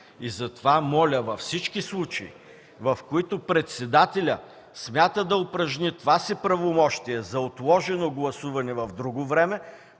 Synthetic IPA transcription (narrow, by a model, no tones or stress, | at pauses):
izɐt̪ovamɔlʲəvɐfsit͡ʃkislˠut͡ʃɐḭ | vɐfkoit̪opɾɛt̪sɛd̪at̪ɛlʲə | smʲat̪əd̪ɐopɾɐʒnit̪ovasipɾɐvomɔʃt̪iɛzɐot̪lˠɔʒɛnoɡlˠɐsuvɐnɛvɐvd̪ɾuɡovɾɛmɛ